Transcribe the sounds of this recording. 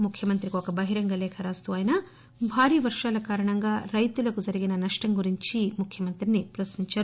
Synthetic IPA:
mukʰjɐmɐnt̪ɾikokɐbɐɦiɾɐŋɡɐlɛːkʰɐɾaːst̪uɐːjnɐ | bʱaːɾiːʋɐɾʂaːlɐkaːɾɐɳɐŋɡaːɾɐjt̪ulɐkud͡ʒɐɾiɡinɐnɐʂʈɐŋɡuɾiɲt͡ʃimukʰjɐmɐnt̪ɾinipɾɐsniɲt͡ʃaːɾu

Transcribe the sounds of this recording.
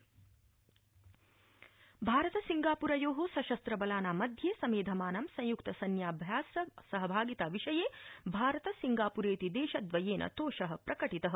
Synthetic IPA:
bʱaːɾɐt̪ɐsiŋɡaːpuɾɐjoːɦoːsɐʃɐst̪ɾɐbɐlaːnaːmɐd̪ʱjeːsɐmeːd̪ʱɐmaːnɐmsɐ̃j̃jukt̪ɐsɐnjaːbʱjaːssɐɦɐbʱaːɡit̪aːʋiʃɐjeːbʱaːɾɐt̪ɐsiŋɡaːpuɾeːt̪id̪eːʃɐd̪ʋɐjeːnʔɐ̰t̪oːʃɐɦɐ̆pɾɐkɐʈit̪ɐɦɐ

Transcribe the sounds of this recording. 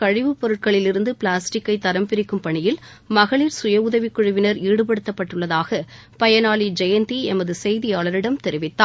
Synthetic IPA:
kɐɻɪʋɯpːɔɾɯʈ̚kɐɭɪlɪɾɯnd̪ɯpɭaːsʈɪkːɐɪt̪ːɐɾɐmpɪɾɪkːɯmpɐɳɪjɪl | mɐɣɐɭiːɾsʊjɐʊðɐʋikːʊɻɯʋɪnɐɾiːɽɯpɐɽɯt̪ːɐpːɐʈːɯɭːɐðaːɣɐ | pɐjɐnaːɭid͡ʒɛjɐnt̪iɛnmɐðɯsɛjðɪjaːɭɐɾɪɽɐmt̪ɛɾɪʋɪt̪ːaː

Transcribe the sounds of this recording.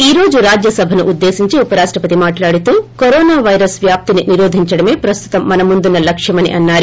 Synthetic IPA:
iːɾo̞ːd͡ʒuɾaːd͡ʒjɐsɐbʱɐnuʔːd̪ːe̞ːsiɲt͡ʃiupɐɾaːʂʈɾɐpɐt̪imaːʈlaːɽit̪uːkoɾoːnaːʋɐjɾɐsʋjaːp̚t̪ininiɾoːd̪ʱiɲt͡ʃɐɽɐme̞ːpɾɐst̪u̥t̪ɐmːɐnɐmund̪unːɐlɐkʂjɐmɐnḭʔɐnːaːɾi

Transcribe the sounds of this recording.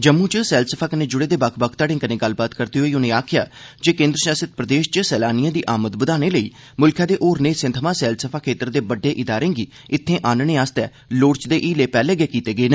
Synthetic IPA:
d͡ʒəmːũːt͡ʃsɛːlsəpʰaːkənẽːd͡ʒʊɽeːd̪eːbakʰbəkʰt̪aːɽẽːkənẽːɡəlbaːt̪kəɾt̪eːɦoːiːʊnẽːaːkʰɪja̰ːd͡ʒeːkẽːnd̪ɾəʃaːsət̪̚pɾəd̪eːʃt͡ʃəsɛːlaːnijãːd̪iːʔaːmət̪bəd̪aːñeːləiː | mʊlkʰãːd̪eːʔoːɾneːsɪ̃nt̪ʰmãːsɛːlsəpʰaːkʰeːt̪əɾd̪eːbəɖːeːʔɪd̪aːɾẽːɡiː | ɪt̪ʰːẽːʔaːnnẽːaːst̪ɛː | loːɽt͡ʃd̪eːʔiːleːpɛːlɛːɡɛːkiːt̪eːɡəeːnː

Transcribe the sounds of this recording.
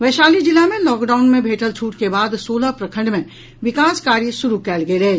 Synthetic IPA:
ʋɛːʃaːlid͡ʒɪlamẽlɔːkɖaːʊnmẽbʱeːʈəlt͡ʃʰuːʈkebaːd̪soːlapɾɐkʰə̃ɳɖmẽ | ʋɪkaːskaːɾjisʊɾukɛːlɡeleː

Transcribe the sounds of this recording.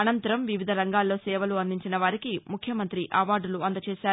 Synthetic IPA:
ɐnɐnt̪ɐɾɐmʋiʋid̪ʱɐɾɐŋɡaːlːo̞ːsɛːʋɐluɐnd̪iɲt͡ʃinɐʋaːɾikimukʰjɐmɐnt̪ɾiʔɐʋaːɖuluɐnd̪ɐt͡ʃɛːʃaː

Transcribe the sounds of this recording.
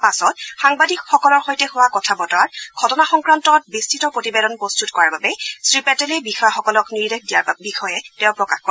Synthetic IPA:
pasɔtxaŋbadikxɔkɔlɔɹxojtɛhʊwakɔtʰabɔtaɹɡʱɔtɔnaxɔŋkɹantɔt̚bistitɔpɹotibedɔnpɹostutkɔɹaɹbabɛsɹipɛtɛlɛbixɔjaxɔkɔlɔkniɹdekdijabixʰɔjɛtɛʊ̃pɹɔkaxkɔ

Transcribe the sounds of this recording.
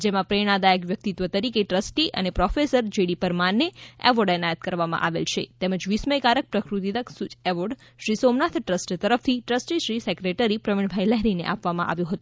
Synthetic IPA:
d͡ʒemãpɾeɽ̃ad̪aeɡʋjək̚t̪it̪ʋət̪əɾikeʈɾəsʈiʔə̰nepɾɔfesəɾd͡ʒeɽipəɾmanːeɛ̰ʋəɖɛnajət̪̚kəɾʋamã̰ʔaʋḛlt͡ʃʰet̪eməd͡ʒʋisməjkaɾək̚pɾəkɾut̪id̪əksut͡ʃɛʋoɖ | ʃɾisomnat̪ʰʈɾəsʈt̪əɾəft̪ʰiʈɾəsʈiʃɾisɛkɾeʈəɾipɾəʋiɳ̃bʱajlɛɦɾinḛʔapʋamã̰ʔa̰ʋjũɦət̪ũ

